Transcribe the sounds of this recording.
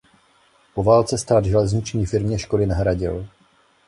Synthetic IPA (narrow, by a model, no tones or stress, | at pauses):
po̞vaːlt͡sɛst̪aːd̪ʒɛlɛzɲɪt͡ʃɲiːfɪɾmɲɛʃkolɪnaɦɾaɟɪ̰l